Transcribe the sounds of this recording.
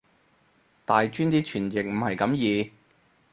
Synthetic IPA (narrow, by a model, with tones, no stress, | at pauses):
t̪aː˨jt͡ʃyː˥nt̪iː˥t͡ʃʰyː˨˩njɪ˨k̚m̩˨˩hɐ˨˩jkɐ˨˥mjiː˨˧